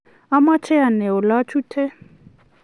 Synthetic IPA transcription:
a˦ma˦t͡ʃʰɛ˦a˨nɛ˨ɔ˨la˦t͡ʃʰu˦tʰɛ˦

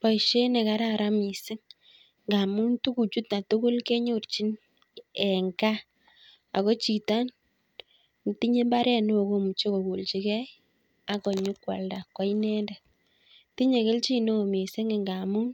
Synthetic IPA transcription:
pɔ˨jʃe˦ne˨ka˦ɾa˦ɾa˦mi˨sɪ˦ŋ | ŋɡa˨mu˦ntu˦ku˨t͡ʃu˦tna˨to˦ko˦lke˦ɲo˦ɾt͡ʃi˦n | ɛ˨ŋɡa˦ | a̰˨kɔ˦t͡ʃi˨ta˦n˨ | ti˦ɲe˦mba˦ɾɛ˦no˦˨ko˦mu˨t͡ʃo˦ko˨ko˨lt͡ʃi˨kɛ˦j | a˨kɔ˨ɲu˦kwa̰˨lda˨kːa˦i˦nɛ˦nda˨ | ti˦ɲe˨ke˦lt͡ʃi˦no˦˨mi˨sɪ˦ŋe˨ŋɡa˨mu˦ŋ

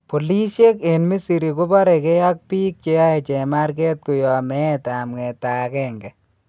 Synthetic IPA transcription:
po˨li˦sje˦ke˨nmi˦si˨ɾi˨ku˦ba˦ɾɛ˨ke˦ja˦k̚pi˦k̚t͡ʃe˦a˦e˨t͡ʃɛ˨ma˦ɾke˦t̚ku˨jɔ˨mɛ˦ta˨mŋɛ˨ta˨kɛ˦ŋɡɛ˨

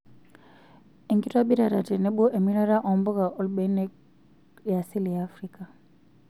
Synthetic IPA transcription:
i˨ŋɡi˦twa˦ɓi˦ɾa˨ɾa˨tɛ˨nɛ˦ɓu˦ʔe˨mi˦ɾa˦ɾa˦ʔɔ˨mbɔ˦ɣa˨ʔɔ˦lɓɛ˨˦nɛ˦ | ja˨si˦li˨jaː˦fɾi˦ka˨

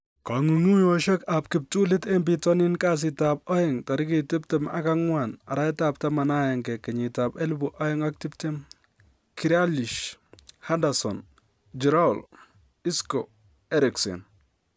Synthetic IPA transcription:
ka˨ŋu˨ŋu˦joʃɔ˦ka˨pkɪ˨p̚tu˦lɪ˦te˦mp̬i˨tɔ˦nɪ˦nka˦s̬ɪ˨ta˨p̚ɔ˦jɪ˨ŋta˨ɾɪ˦ki˨tɪ˦p̚tɛ˨ma̰˦ka˦ŋwa˨na̰˨ɾa˦ɪta˨p̚ta˦ma˨na˦jɛ˨ŋkɛ˨kɛ˨ɲɪ˨ta˨pe˦lbuʔɔ˦jɪ˦ŋa˦k̚tɪ˦pte˦m | ki˨ɾa˦li˨ʃha˦ndasɔ̰n | d͡ʒi˨ɾa˦ʊ˨l | i˦sko˨ | ɛ˦ɾi˨ksḛ˨n

